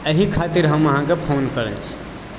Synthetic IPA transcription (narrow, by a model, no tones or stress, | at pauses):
əɦikʰat̪iɾɦəməɦãkepʰonkəɾɛ̰nt͡ʃʰi̥